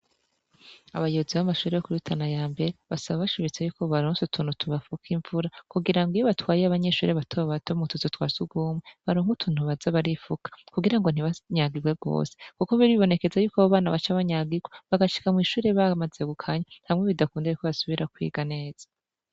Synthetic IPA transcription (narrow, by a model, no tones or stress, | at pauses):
aβajoβoziβamaʃuːɾejokuɾutʰanajaːmbe̞ɾeβasaβaβaʃiβit͡sejuːko̞βaɾoːnsutʰuːn̥utʰuβafukʰiɱvuɾakuɡiɾaŋɡijoβatwaːjeaβaɲe̞ʃṵːɾeβatʰoββatomutʰuzotwa̰ːzuɡuːmweβaɾoːŋutʰuːn̥uβazaβaɾifukḁkuɡiɾaŋɡo̞n̥iβaɲaɡiɡwe̞ɡo̰ːsekuko̞βiɾiβo̞ne̞ke̞zajuːkaβaβaːnaβat͡ʃaβaɲaːɡiɡweβaɡaʃi̥kamwiːʃuːɾe̞βamaze̞ɡukʰaɲanhamŋe̞βidakuːndajukoβasuβiɾakwḭːɡane̞ːz̥ḁ